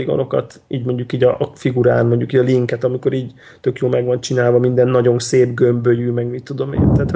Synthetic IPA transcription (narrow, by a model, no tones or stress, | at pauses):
iɡo̰no̞kɒ̰t̪ | iːɟmo̞ɲɟukiːɟɒʔfiɡuɾa̰ːnmo̞ɲɟukiːɟɒliŋkɛt̪ɒmiko̞ɾiːɟ | t̪ø̞kjoːlmɛɡʋɒnt͡ʃinaːlvɒmind̪ɛnːɒɟo̞nseːbɡø̞mbøjyːmɛɡmit̪ːud̪o̞mḛːnt̪æːt̪h